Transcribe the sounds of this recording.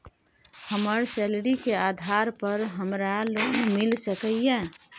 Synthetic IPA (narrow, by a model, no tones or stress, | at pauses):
həməɾsɛːlɾikeaːd̪ʱaɾpəɾɦəmɾaloɡmɪlsəkəjɛ̃